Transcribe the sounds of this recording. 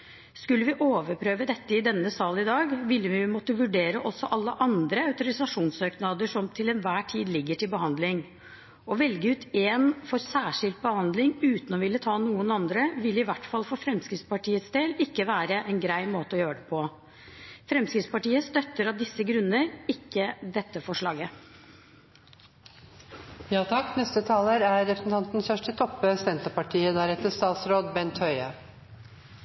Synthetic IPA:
skʉlːəʋɪʔoːʋəɾpʰɾøːʋəd̪ɛt̪ːəɪd̪ɛnːəsɑːlnɪd̪ɑːɡʋɪlːəʋɪmɔt̪ːəʋʉɖeːɾəʔɔsɔʔɑlːəʔɑnd̪ɾəɑʉt̪ʊɾɪsɑʂuːnsøːknɑːd̪əʂɔmt̪ʰɪlɛnʋæːʈʰiːd̪lɪɡːəʈʰɪlbəɦɑnd̪lɪŋ | ɔʋɛlɡəʉːt̪eːnfɔɾsæːʂɪlt̪̚bəhɑnd̪lɪŋʉːt̪n̩ɔʋɪlːət̪ʰɑːnuːənɑnd̪ɾəʋɪlːɪʋæʈːfɑlfɔfɾɛmskɾɪt̪spɑʈiːət̪sd̪eːlɪkːəʋæːɾəʔɛnɡɾæɪmoːt̪əɔjøːɾəɖɛpʰɔ | fɾɛmskɾɪt̪spɑʈiːəst̪œt̪ːəɾɑʋd̪ɪsːəɡɾʉnːəɾɪkːəd̪ɛt̪ːəfɔʂɭɑːɡə | jɑːt̪ʰɑkːnɛst̪ət̪ʰɑːləɾæɾːɛpʰɾəsn̩t̪ʰɑnt̪n̩sfœʂʈət̪ʰɔpːəsɛnt̪əpɑʈʰiːəd̪æɾɛt̪ːəst̪ɑːt̪sɾoːd̪bɛnt̪hœʏə

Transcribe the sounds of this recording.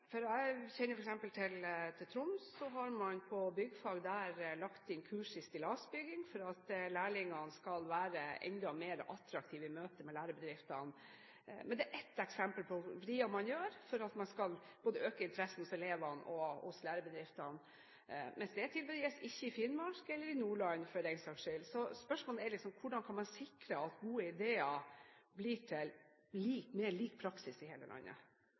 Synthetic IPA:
fɔɾæɪçɛnːəɾfɔɾɛksɛmpəlt̪ʰɪlt̪ʰɪlt̪ʰɾʊmssɔɦɑɾmɑnpʰɔbʏɡːəfɑɡd̪æːɾlɑkt̪ɪnkʰʉːʂɪst̪ɪlɑsbʏɡɪŋfɔɾɑt̪læːɭɪŋɑnskɑlʋæːɾəʔɛ̰nd̪ɔmeːɾʔɑt̪ɾɑk̚t̪ʰiːʋɪmøːt̪əmɛlæːɾəbəd̪ɾɪft̪ɑn | mɛnd̪ɛʔɛt̪ːɛksɛmpəlpʰɔʋɾiːɑmɑnjøːɾfɔɾɑt̪mɑnskɑlb̥oːd̪əøːkəɪnt̪əɾɛsn̩hʊsɛleːʋɑnɔhʊ̰slæːɾəbəd̪ɾɪft̪ɑn | mɛnsd̪ɛæt̪ʰɪlbəd̪jɛsɪçːəɪfɪnmɑkɛlːəɾɪnuːɭɑnfœɾɛɪŋsɑɡʂɪlsɔspœʂmoːlæɾlɪksɔmkʰʊɖɑnkʰɑnmɑnsɪkɾəɑt̪ɡuːəɪd̪eːɑbliːʈʰɪl | liːkmeːliːk̚pʰɾɑksɪsɪheːlə̰lʔɑ̰nːə̰

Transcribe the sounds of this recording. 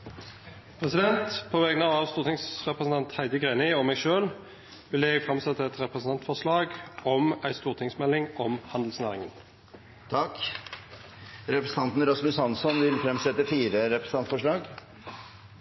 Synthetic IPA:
pʰʁɛsɪd̪ɛnt̪pʰoːʋɛːɡnɑʋɑːʋst̪uːʁt̪ʰɪŋsʁɛpʁəsn̩t̪ɑnt̪hæɪd̪əɡʁeːnɪɔmɛɡʃøːl | ʋɪləjɛɡfʁɑmsɛt̪ːəɛt̪ʁɛpʁəsn̩ɑnt̪fɔʂlɑːɡɔmæɪst̪uːʁt̪ʰɪŋsmɛlːɪŋɔmhɑnd̪l̩snæːʁɪŋən | t̪ʰɑk | ɾɛpɾəsən̩ɑnt̪n̩ɾɔsmʉsɑnsɔnʋɪlfɾɛmsɛt̪ːəfiːɾəɾɛpɾə̥sn̩ɑnt̪fɔʂɭɑːɡ

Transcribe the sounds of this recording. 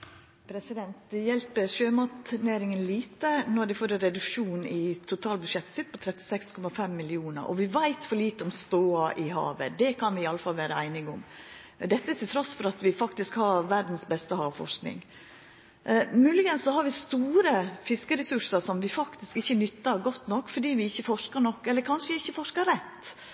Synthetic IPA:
pʰɾɛsɪd̪ɛnt̪jɛlpəɾʃøːmɑt̪næːɾɪŋənliːt̪ənɔɾd̪ɛfoːɾɛɾɛd̪ʉkʂuːnɪt̪ʰʊt̪ʰɑːlbʉd̪ʂɛt̪ːsɪt̪̚pʰɔt̪ʰɾɛt̪ːɪ̥sɛkskʰɔmɑfɛmːɪlɪuːnə̰ɾʔɔ̰ʋɪʋæɪt̪fɔɾɭiːt̪əɔmst̪oːɑʔɪhɑ̰ːʋə̰d̪ɛkʰɑnʋɪɪɑlːəfɑlʋæːɾəæɪnɪɡʊm | d̪ɛt̪ːət̪ʰɪlt̪ʰɾɔsfɔɾɑt̪ʋɪfɑkt̪ɪskhɑɾʋæɾd̪n̩sbɛst̪əhɑːʋfɔ̰ʂknɪ̰ŋ | mʉːlɪɡənsːɔhɑɾʋɪst̪uːɾəfɪskəɾɛsʉʂəɾʂɔmʋɪfɑkt̪ɪskɪçːənʏt̪ːəɾɡɔt̪ːnɔkːfɔɖiːʋɪɪçːəfɔʂkəɾnɔkːɛlːəɾkʰɑnʂəɪçːəfɔʂkəɾɾɛt̪ː

